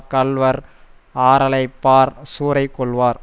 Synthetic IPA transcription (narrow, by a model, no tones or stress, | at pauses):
kɐlʋɐɾ | aːɾɐlɐɪpːaːɾsuːɾɐɪkːɔɭʋaːɾ